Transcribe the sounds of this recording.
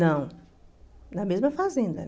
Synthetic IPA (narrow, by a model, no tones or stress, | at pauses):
nɐ̃w̃ | nɐmezmɐfazẽnd̪ɐ̰